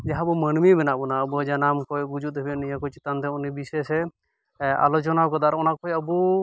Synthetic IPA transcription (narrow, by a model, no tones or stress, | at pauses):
d͡ʒaɦabɔmənmibɛnaʔbɔnaəbuad͡ʒanamkɔjɡud͡ʒut̪̚ɛbɛnijakɔt͡ʃit̪and̪ɛɔnibisɛsɛ | a̰lɔt͡ʃɔnakɔd̪aɾɔnaʔkɔjəbu